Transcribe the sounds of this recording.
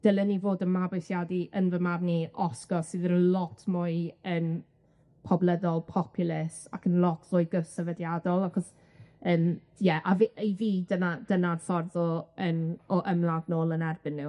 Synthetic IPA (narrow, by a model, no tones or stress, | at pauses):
d̥əlˠənivoːdənmabojsjadiʔənvəmarniʔɔsɡɔsɨðəɾəlˠɔtʰmʊɨən | pʰɔblˠɛdɔlˠpʰɔpʰjʊlˠɪsakʰənlˠɔtʰrʊːɨɡəvsəvədjadɔlˠaχɔs | ən | jɛʔaviʔeviːdənadənarθɔrðɔənɔʔəmlˠaɡnoːlˠənɛrbɪnːɪ